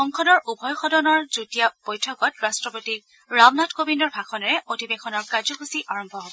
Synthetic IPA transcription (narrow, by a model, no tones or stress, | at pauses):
xɔŋkʰɔdɔɹʔubʱɔjxɔdɔnɔɹzutijab̥ojtʰɔkɔtɹastɹɔpotik̚ | ɹawnatkobindɔɹbʱakʰɔnɛɹɛʔodʱibekɔnɔɹkaɹzɔkusiʔaɹɔmbʱɔɦɔbɔ